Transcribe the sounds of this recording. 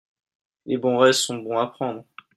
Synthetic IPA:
lebɔ̃ʁɛsɔ̃bɔ̃apχɑ̃d̪ʁ

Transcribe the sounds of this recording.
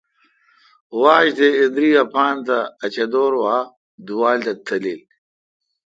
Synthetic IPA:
waːɕt̪eɪnd̪ɾiɐpaːnt̪aːt͡ɕɐd̪oːɾwaː | d̪uwaːlt̪ɐt̪ʰɐlil

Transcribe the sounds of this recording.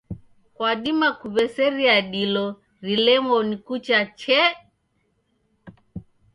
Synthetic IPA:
kwaɗimakuβɛsɛɾiaɗilɔ | ɾilɛŋɡɔnikut͡ʃat͡ʃɛ

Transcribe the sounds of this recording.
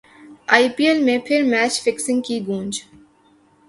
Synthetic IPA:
aːipiːelmẽpʰɪɾmɛːt͡ʃfɪksɪ̃ŋɡ̚kiɡũːnd͡ʒ

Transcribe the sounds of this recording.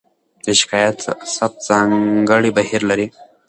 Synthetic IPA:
d̪əʃɪ̥kɑjat̪saqt̪z̥ɑŋɡəɽibahiɾlaɾi

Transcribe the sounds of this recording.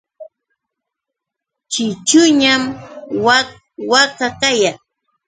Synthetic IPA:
t͡ʃɪt͡ʃʊɲamwa | wakakajaŋ

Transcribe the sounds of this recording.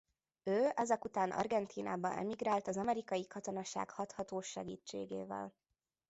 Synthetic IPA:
øːɛzɛkut̪aːnʔɒ̰rɡɛnt̪ʰiːnʔa̰ːbɒnʔɛ̰miɡɾaːlt̪ɒzɒmɛɾikɒjikɒt̪o̞nɒʃa̰ːɡhɒt̪hɒt̪oːʃɛɡḭːt͡ʃːḛːɡḛːvɛ̰l

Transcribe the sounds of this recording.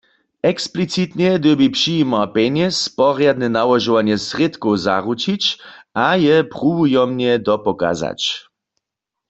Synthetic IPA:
ɛksplit̪t͡sit̪ɲɛd̪obipʃiːmapɛɲɛspɔʁjad̪nɛnawɔʒɔʋanjɛsʁet̪kɔwza̰ʁut͡ʃit͡ɕajɛpʁuujɔmnjɛd̪ɔpɔka̰za̰t͡ʃ

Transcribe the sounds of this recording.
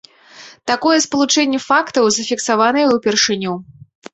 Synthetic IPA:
t̪akɔjɛspɐlˠut͡ʂɛnʲːɛfakt̪ɐwzɐfʲiksavanɐjɛwpʲɛrʂɨnʲu

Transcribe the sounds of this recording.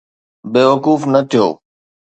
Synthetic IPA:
beːʋəkuːfnət̪ʰijo̰ː

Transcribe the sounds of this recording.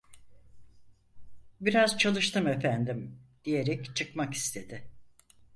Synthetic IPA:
biɾazt͡ʃʰalˠɯʃt̪ʰɯmefænd̪imd̪̥ije̞ɾɛct͡ʃʰɯkmaki̥st̪ʰe̞d̪ɪ

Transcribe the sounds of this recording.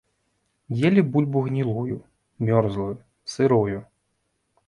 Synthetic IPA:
jɛlʲibulʲbʊɣnʲilˠujʊ | mʲɔrzlˠɔjʊ | sɪɾɔjʊ

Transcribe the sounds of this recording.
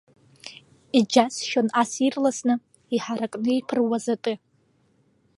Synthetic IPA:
id͡ʒasʃᶣonasirlasnɨ | iħaɾakʼnɨipʰɨrwazatʼɨ

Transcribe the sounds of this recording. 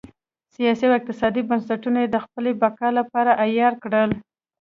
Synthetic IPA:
sijɑsiawɪq̚t̪ɪsɑd̪ibansaʈunojed̪əxpəlebakɑlapɑɾaʔajɑɾkɽəl

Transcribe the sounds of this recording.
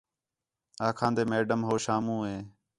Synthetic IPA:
aːkʰãːnd̪eːmeːɖəmɦoːʃaːmũːɦeː

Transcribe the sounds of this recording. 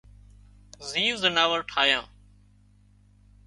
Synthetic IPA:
ziːʋzənaːʋəɾʈʰaːjãː

